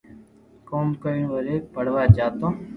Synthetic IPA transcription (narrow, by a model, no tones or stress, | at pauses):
koːmkoinʋəɾeːpəɽ̤ʋaːt͡ʃaːt̪õː